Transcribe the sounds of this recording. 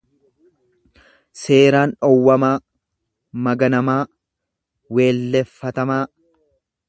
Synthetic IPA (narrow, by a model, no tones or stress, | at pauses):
se̞ːɾaːnᶑɔwːɐmaː | mɐɡɐnɐmaː | we̞ːlːɛfːɐt̪ɐmaː